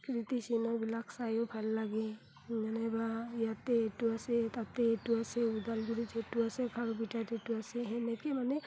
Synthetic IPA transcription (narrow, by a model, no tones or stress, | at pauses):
kɾit̪isinɔbilakʰsajɔpʰalːaɡe | nanebajat̪eːʈuaset̪at̪eːʈuaseud̪alɡuɾit͡ʃʰetuasekʰaɾbiʈat̪eʈuaseɦɛnekemane